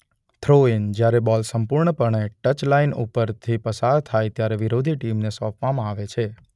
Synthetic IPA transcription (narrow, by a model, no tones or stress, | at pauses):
t̪ʰɾoind͡ʒjaɾebɔlsəmpuɾɳəpəɳeʈət͡ʃlainṵpəɾt̪ʰipəsaɾt̪ʰajt̪jaɾeʋiɾod̪ʱiʈimnesɔpʰʋamãaʋet͡ʃʰe